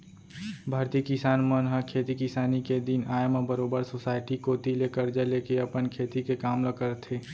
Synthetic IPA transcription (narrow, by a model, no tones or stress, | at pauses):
bʱaːɾt̪iːkɪsaːnmənɦəkʰeːt̪ikɪsaːniked̪inaːjməbəɾoːbəɾsoːsaːɪʈikot̪ilekəɾd͡ʒəleːkeɐpənkʰeːt̪ikekaːmləkəɾt̪ʰeː